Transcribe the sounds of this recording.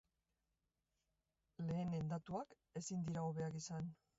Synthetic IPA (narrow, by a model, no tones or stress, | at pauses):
le̞ːne̞nd̪at̪uak | e̞sind̪iɾaoβe̞akisan